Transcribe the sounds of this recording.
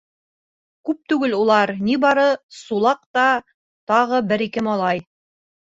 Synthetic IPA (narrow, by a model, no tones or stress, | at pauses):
kʉp̚t̪ʉɡɘlulˠɑɾnibɑɾɤsulˠɑq̚t̪ɑ | t̪ɑʁɤbɘɾikɘmɑlˠɑj